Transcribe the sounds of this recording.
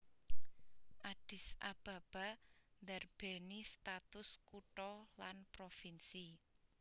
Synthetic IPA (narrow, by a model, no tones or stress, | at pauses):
ʔaɖ̥ɪ̤sa̰b̥ä̤b̥a̤nd̪ɛrb̥enist̪at̪ʊskuʈɔlanpɾofinsi